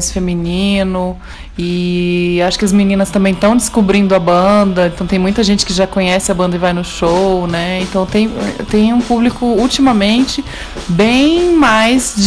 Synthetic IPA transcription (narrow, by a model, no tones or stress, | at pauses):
sfeminĩnʊ | ɪ | aʃʊ̥kɪɐzminĩnɐst̪ɐ̃mbẽj̃t̪ɐ̃w̃d͡ʒɪskubɾĩnd̪ʊɐbɐ̃d̪ɐẽt̪ɐ̃w̃t̪ẽj̃mũj̃t̪ɐʒẽnt͡ʃɪkɪʒakõɲɛsɪɐbɐ̃nd̪ɐɪvajnʊʃownɛẽnt̪ɐ̃w̃t̪ẽj̃ɛt̪ẽj̃ũpublikʊult͡ʃimɐmẽnt͡ʃɪ | bẽj̃majzd͡ʒ